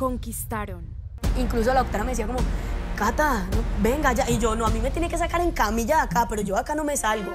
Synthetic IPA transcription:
ko̞ŋkist̪aɾon | iŋklus̬o̞laok̚t̪oɾame̞s̬iako̞mokat̪anobe̞ŋɡad͡ʒaʔid͡ʒo̞noamime̞t̪jeneke̞sakaɾe̞ŋkamiʝaːkape̞ɾo̞d͡ʒo̞akano̞me̞salɡo

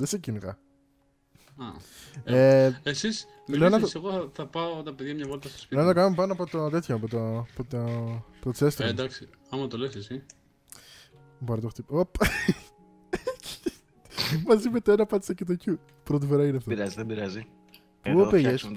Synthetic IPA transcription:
ðesecinɣɐ | ɐ | esis | lenɐseɣoɐθɐpɐot̪ɐpeðʝɐmɲɐvolit̪ɐst̪o̥spinɐnɐt̪okɐnumepɐnoɐpot̪ot̪et̪çoːpot̪opot̪opot̪osest̪d̪ɐksi | ɐmɐt̪olesesi | bɐɾit̪oxt̪ipop | mɐzimet̪oenɐpɐt̪isɐcet̪̬ocu | pɾot̪ifoɾɐineɐft̪oiɾɐziðebiɾɐzi | pupeʝes

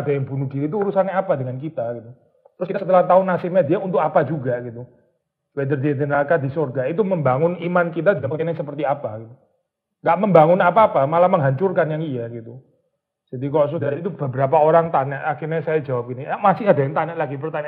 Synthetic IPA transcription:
adajaŋbunud̥̪iɾit̪uuɾusanaapadəŋank̬it̪aɡit̪u | t̪ɾʊskit̪asət̪əlaht̪aʊnasɪmɲadiaunt̪ʊkapad͡ʒuɡaɡit̪u | wed̪ərd̪iad̪ənakad̪isorɡait̪uməmbaŋʊnimankit̪ad̪ianasəpərt̪iapaɡit̪u | ŋɡaʔməmbaŋʊnapaːpamalahməŋɦaɲt͡ʃʊrkanjaŋijaɡit̪u | d͡ʒ̥adikɔʔs̬udaɾit̪ub̥əbəɾapaoɾaŋt̪aɲaʔakɪrɲasajad͡ʒawap̚ɡiniamasɪɦadajaŋt̪aɲaʔlaɡibərt̪aɲaʔ

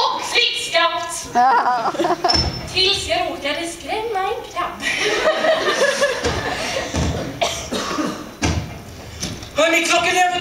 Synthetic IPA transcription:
ɔkfɾɪkskapt̪ | t̪ʰɪlsjɑɾoːkad̪əskɾɛmːaɛnkʰɾapː | hœɳɪkʰlɔkːənɛfə

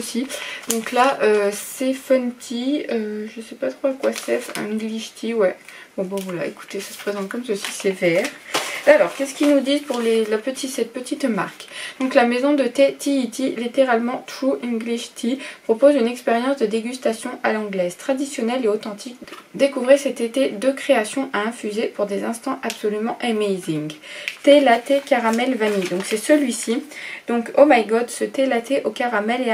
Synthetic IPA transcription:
əsid̪̥ɔ̃klaʔøsefɔnt̪ʰiøʒəsɛpat̪χoakwasɛfĩɡliʃt̪ʰiwɛ | bɔ̃bãvwala̰eku̥t̪esḁsə̥pχezɑ̃t̪̚kɔmsəsisɛvɛʁalɔʁkʲɛskʲilnud̪izpuʁlelapət̪isɛt̪̚pət̪ʰit̪ma̰ʁkd̪̥ɔ̃klamezɔ̃d̪ət̪ɛt̪iːt̪ilit̪eʁalmɑ̃t̪χuʔĩŋɡliʃt̪ʰipχɔpozynɛkspeʁjɑ̃sd̪əd̪eɡʲyst̪asjɔ̃ʔalɑ̃ɡlɛz̥t̪χad̪isjɔnɛleot̪ɑ̃t̪ʰik̪d̪ekuvʁisɛt̪et̪ed̪økχeasjɔ̃ʔaɛ̃fyzepuʁd̪ezɛ̃st̪ɑ̃ʔapsɔlymɑ̃ʔɛmejzĩŋɡt̪elat̪ekaʁamɛlvanid̪ɔ̃ksɛsəlɥisid̪̥ɔ̃komajɡɔd̪sət̪elat̪eʔokaʁamɛle

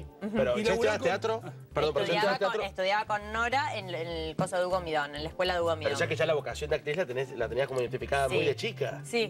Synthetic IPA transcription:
m̩peɾolesaat̪eat̪ɾo | peɾðompɾɾset̪at̪eaɾoest̪uðjaβakonːoɾaenenkosoðuɣomiðonenlaekwelaðuɣomiðeɾoʒakeʒalaβo̞kasjo̞nd̪eak̚t̪ɾislat̪eneslat̪e̞niasko̞moiðent̪ifikaðamujðet͡ʃika̰si

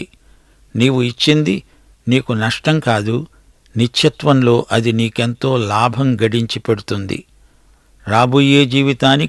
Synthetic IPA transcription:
niːwuit͡ʃːind̪i | niːkunɐʂʈɐŋkaːd̪u | nit͡ʃʃʰɐt̪ʋɐnlo̞ːʔɐd̪iniːke̞nt̪o̞ːlaːbʱɐmɡɐɖiɲt͡ʃipeɽut̪und̪ḭ | ɾaːbujeːd͡ʒiːʋit̪aːni

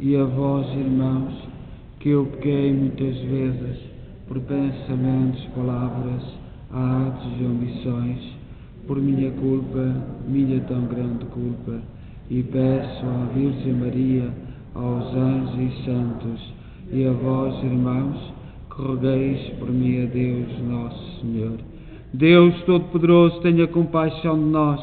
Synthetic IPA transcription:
iɐvɔziɾmɐ̃w̃ʃ | kɨewpɨkejmũj̃t̪ɐzvezɨʃ | pɔɾpẽsɐmẽnt̪uʃpɐlavɾɐz | aaat̪uziɐ̃mbisõj̃ʃ | pɔɾmĩɲɐkulˠpɐmĩɲɐt̪ɐ̃w̃ɡɾɐ̃nd̪ɨkulˠpɐ | ipɛsuaviɾʒẽj̃mɐɾiɐ | a̰wzɐ̃ʒisɐ̃nt̪uʃ | iɐvɔziɾmɐ̃w̃ʃ | kɨʁɨɣejʃpɔɾmĩɐðewʃnɔsu̥sɨɲoɾ | d̪ewʃt̪oðupɨðɨɾozut̪ɛɲɐkõmpajʃɐ̃w̃d̪ɨnɔʃ

